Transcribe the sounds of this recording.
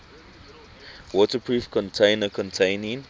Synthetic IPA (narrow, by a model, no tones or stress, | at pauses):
wɔtəpʰɹuːfkʰɔ̃ntʰẽɪ̃nəkʰɔ̃ntʰẽɪnĩn